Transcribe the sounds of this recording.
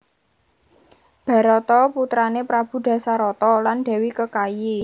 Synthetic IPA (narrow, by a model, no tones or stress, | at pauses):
b̥ä̤ɾɔt̪ɔput̪ɾanepɾab̥ṳd̪̥ä̤saɾɔt̪ɔland̥ɛ̤wikəkaje